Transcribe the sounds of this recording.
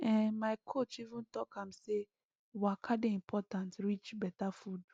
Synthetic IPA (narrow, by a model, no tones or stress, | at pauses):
ɛ̃maɪkʰot͡ʃivũntɔkʰãmse | wɔakʰadeĩmpʰɔtãntɹit͡ʃbɛtafud